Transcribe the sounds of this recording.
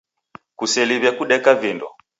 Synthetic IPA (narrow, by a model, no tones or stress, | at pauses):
kusɛliβjakuɗɛkavindɔ̰